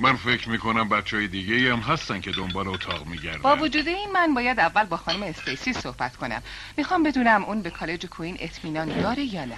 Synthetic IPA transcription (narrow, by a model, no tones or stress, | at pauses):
mænfe̞cʰɾmiːkʰonæmbæt̪t͡ʃʰːehɒːjed̪iːɟeiæmɦæst̪æncʰe̞d̪ombɒːleot̪ʰɒːʁmiːɟæ̰ɾd̪bɒːvod͡ʒuːd̪eiːnmænbɒːjæd̪ævːælbɒːxɒːnumeːst̪ejsiːso̞hb̥æt̪kʰo̞næ̰mː | ixɒːmbe̞d̪uːnæmʔunbe̞kʰɒːle̞d͡ʒekʰuiːnʔe̞t̪ʰmiːnɒnd̪ɒːɾejɒːnæ